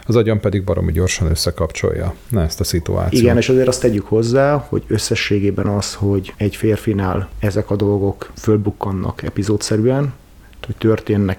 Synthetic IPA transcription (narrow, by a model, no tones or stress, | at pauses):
ɒzɒɟɒmpɛd̪iɡ̚bɒɾo̞̰miɟo̞rʃɒnøsːɛkɒpt͡ʃo̞̰jːɒ̰ | nɛɛst̪ɒsit̪ṵa̰ːt̪iɡɛneːʃɒzeːɾɒst̪ɛɟykho̞zːaːho̞̰ɟø̞sːɛʃːeːɡeːbɛnɒsho̞ɟɛɟfeːrfinaːlɛzɛkɒd̪o̞lɡo̞kfø̞lbukːɒnːɒ̰kɛ̰pizoːt̪sɛɾyɛn | t̪oct̪ø̞rt̪eːnːɛk